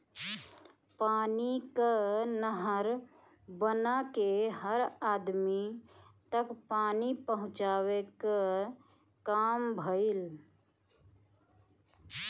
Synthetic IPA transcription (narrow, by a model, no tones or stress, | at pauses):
paːnikənəɦəɾ | bənakeɦəɾaːd̪mit̪əkpaːnipəɦʊ̃t͡ʃaːweka | kaːmbʱəil